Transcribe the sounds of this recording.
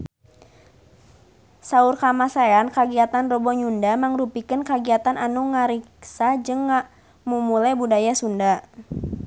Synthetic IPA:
saurkamasajankaɡiat̪anrɔbɔɲundamaŋɾupikənkaɡiat̪anʔanuŋaɾiksad͡ʒɨŋːa | mumulajbudajasunda

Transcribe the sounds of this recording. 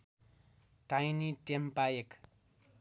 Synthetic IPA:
tajnitempajek

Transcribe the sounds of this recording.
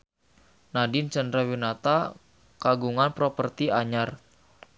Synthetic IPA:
nadint͡ʃəndɾawinat̪a | kaɡuŋanpɾopərt̪iaɲar

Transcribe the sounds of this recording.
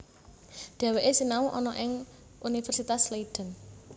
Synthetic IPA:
d̪̥ɛ̤weʔesinauʔɔnɔʔɪŋ | ʔunifɛrsit̪asleid̥ə̤n

